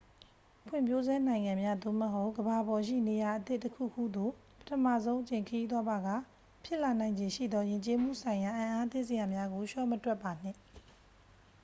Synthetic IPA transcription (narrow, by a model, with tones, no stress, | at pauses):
pʰwɪ̰̃˨mpʰjo˦zɛ˦nã˨ɪ̃ŋã˨mja˦d̪o̰˦˨məɦo˦ʊʔɡəba˨bɔ˨ʃḭ˦˨ne˨ja˨ʔət̪ɪ˦ʔtːəkʰṵ˦˨kʰṵ˦˨d̪o˨ | pə̥tʰəmä̰˦˨zõ˦ʊ̃ʔət͡ɕẽ˨kʰəji˦t̪wa˦ba˨ɡa˦˨ | pʰjɪ˦ʔla˨nã˨ɪ̃ɲd͡ʑẽ˨ʃḭ˦˨d̪ɔ˦jɪ̃˨ɲt͡ɕe˦m̥ṵ˦˨sʰã˨ɪ̃ja˨ʔã˨ʔa˦t̪ɪ̃˦˨ʔsə˨ja˨mja˦ɡo˨ʃɔ˦˨mətwɛ˦pːa˨n̥ɪ̰̃˦˨